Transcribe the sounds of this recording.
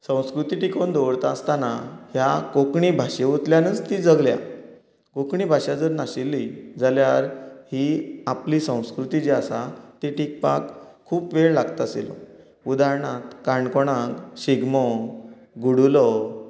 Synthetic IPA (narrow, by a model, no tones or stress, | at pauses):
sə̃w̃skɾut̪iʈikond̪ɔʋɽt̪aːst̪anahjakokɳibʱaɕeut̪ljanət͡st̪id͡zəɡlja̰ | kokɳibʱaɕad͡zəɾnaɕilːid͡zaljaɾhiapliːsə̃w̃skɾut̪id͡ʑeasat̪iʈik̚pakʰː | uːpʋeɭlaɡt̪asḛlɔ̰ | ud̪aɾɳat̪kaɳkoɽ̃ãkɕiɡmɔ | ɡuɽulɔ